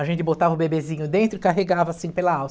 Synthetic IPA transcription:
aʒẽnt̪ɪbot̪avɐʊbebezĩɲʊd̪ẽnt̪ɾʊɪkaɦeɡavɐasĩpelɐaws

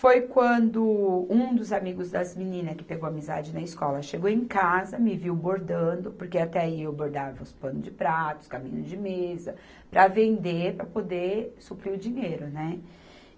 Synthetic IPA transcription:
fojkwɐ̃nd̪ʊũd̪ʊzamiɡʊzd̪ɐzminĩnɐskɪ̥peɡowamiza̰d͡ʒɪnɐiskɔlɐʃeɡowẽj̃kazɐmɪviwboɾd̪ɐ̃nd̪ʊpʊɾkeat̪ɛaiewboɾd̪avɐʊspɐ̃nʊd͡ʒɪpɾat̪ʊ̥skamḭ̃ɲʊzd͡ʒɪmezɐ | pɾʔɐvẽnd̪epɾɐpod̪esupɾiʊd͡ʒĩɲejɾʊnɛ

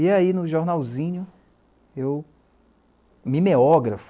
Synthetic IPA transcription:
iainʊʒoɾnawzĩɲʊ | ew | mimeɔɡɾaf

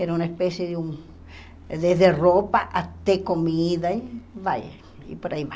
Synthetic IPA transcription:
eɾaunaespesjeðeuŋ | ðeɦðeropaʔat̪ekomiðaiβaj | ḭpoɾaiβa

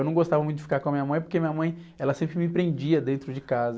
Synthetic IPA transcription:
wnɐ̃w̃ɡost̪avɐũt̪ʊd͡ʒɪfikaɾkõɐmĩɲɐmɐ̃j̃p̬oɾkeɐmĩɲɐmɐ̃j̃ | ɛlɐsẽmpɾɪmɪpɾẽnd͡ʒiɐd̪ẽnt̪ɾʊd͡ʒɪkazɐ

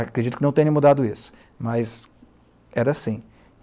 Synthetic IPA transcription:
kɾed͡ʒit̪ʊkɪnɐ̃w̃t̪ẽɲ̃ɐ̃mud̪ad̪ʊisʊ̥ | mɐz | ɛɾɐːsĩ

